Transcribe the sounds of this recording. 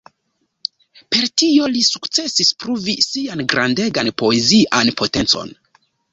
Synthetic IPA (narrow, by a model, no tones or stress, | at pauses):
pe̞ɾtio̞lisukt͡se̞sispɾuvisianɡɾʔande̞ɡanpo̞e̞ziʔanpʰo̞te̞nt͡so̞̰n